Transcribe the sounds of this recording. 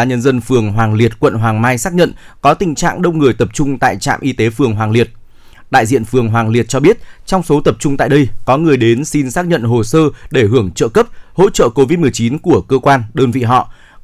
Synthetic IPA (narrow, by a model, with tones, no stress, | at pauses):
a˨˦ɲə˧nzə˧nfɨ˨˩əŋɦwaː˨˩ŋli˨˩ət̚kwə̰˧˨nɦwaː˨˩ŋmaː˧jsaː˦˥k̚ɲə̰˧˨nkɔ˨˦t̪ï˨˩ŋ̟t͡ɕa̰ː˧˨ŋɗə˧wŋ͡mŋɨ˨˩əjt̪ə˨˩p̚t͡ɕʊ˧ŋ͡mt̪a̰ː˧˨jt͡ɕa̰ː˧˨mʔi˧t̪e˨˦fɨ˨˩əŋɦwaː˨˩ŋli˨˩ət̚ | ɗa̰ː˧˨jzḭ˧˨ənfɨ˨˩əŋɦwaː˨˩ŋli˨˩ət̚t͡ɕɔ˧ɓi˦˥ət̚t͡ɕɔ˧wŋ͡mso˨˦t̪ə˨˩p̚t͡ɕʊ˧ŋ͡mt̪a̰ː˧˨jɗə˧jkɔ˨˦ŋɨ˨˩əjɗe˨˦nsi˧nsaː˦˥k̚ɲə̰˧˨nɦo˨˩səː˧ɗe˧˩ɦɨ˧˩əŋt͡ɕə̰ː˧˨kə˦˥p̚ho̰˧˥t͡ɕə̰ː˧˨ko˧vi˦˥t̚mɨ˨˩əjt͡ɕi˨˦nku˧˩əkəː˧kwaː˧nɗəː˧nvḭ˧˨ɦɔ̰˧˨